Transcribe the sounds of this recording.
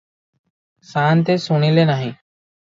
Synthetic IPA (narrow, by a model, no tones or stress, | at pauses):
saːnt̪eːsʊɳiːleːnaːɦĩː